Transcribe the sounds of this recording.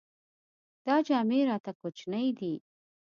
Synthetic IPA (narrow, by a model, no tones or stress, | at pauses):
d̪̥ɑd͡ʒɑmeɾɑt̪akot͡ʃnəjd̪i